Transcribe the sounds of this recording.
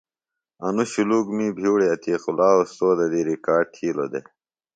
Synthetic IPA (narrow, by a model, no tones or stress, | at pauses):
ɐnuɕuluːɡmiːbʱiːɽiɐt̪iːqulaːost̪oːd̪ɐd̪iɾikaːɖ̚ʈʰiːlod̪e